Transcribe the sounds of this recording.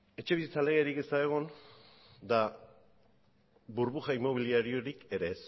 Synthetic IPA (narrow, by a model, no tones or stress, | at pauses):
e̞t͡ʃe̞βisit͡sale̞ɣeɾike̞st̪aeɣ̞on | d̪a | buɾβuxaimo̞β̞iliaɾio̞ɾike̞ɾe̞s